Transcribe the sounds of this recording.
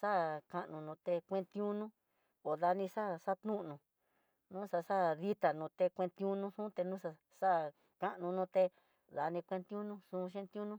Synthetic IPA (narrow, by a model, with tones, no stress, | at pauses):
sa˦ka˧ʔnũ˧nũ˧t̪e˧kʷẽ˦˧nt̪ĩ˦ũ˦nũ˦ | o˨ða˧nĩ˧sa˦sa˦t̪ũ˦ʔnũ˧ | nũː˦sa˧sa˦ði˦t̪a˨nũ˧t̪e˧kʷẽ˧nt̪ĩ˧ũ˦nũ˧sũ˦t̪e˧nũ˦sa˧ | sa˦ | ka˧ʔnũ˧nũ˧t̪e˧ | ða˧nĩ˧kʷẽ˧nt̪ũ˦nũ˦sũ˧ʃẽ˦nt̪ũ˦nũ˦